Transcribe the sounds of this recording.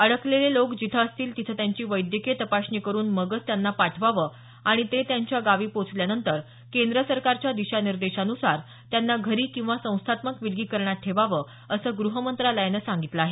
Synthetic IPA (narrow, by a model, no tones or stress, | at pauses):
əɽəklelelokd͡ʑit̪ʰəːst̪iːlt̪it̪ʰəːt̪jaɲt͡ɕiːʋəjd̪jəket̪əpaɕɳiːkəɾuːnməɡət͡st̪janːapaʈʰʋaʋəː | aɽ̃it̪et̪jaɲt͡ɕjaɡaʋiːpot͡sljanənt̪əɾ | kend̪ɾəsəɾkaɾt͡ɕjad̪iɕaniɾd̪eɕanusaɾ | t̪janːaɡʱəɾiːkĩw̃ʋasə̃w̃st̪ʰat̪məkʋilɡiːkəɾɳat̪̚ʈʰeʋaʋəː | əsəːɡɾuɦəmənt̪ɾaləjnəːsaŋɡit̪ləaːɦe